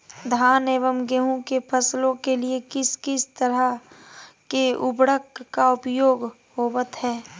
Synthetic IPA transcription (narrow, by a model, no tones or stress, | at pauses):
d̪ʱaːneːʋəmɡeːɦũkepʰəslõkeliekɪskɪst̪əɾə | keʊbɽəkːaʊpjoːɡ | ɦoːwət̪ɦɛː